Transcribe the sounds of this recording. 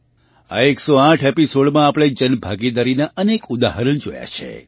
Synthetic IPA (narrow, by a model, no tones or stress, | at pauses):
a̰eksoãʈʰepisoɽmãapɽ̃ed͡ʒənbʱaɡid̪aɾinaʔənekud̪aɦəɾəɳd͡ʒoja̰t͡ʃʰḛ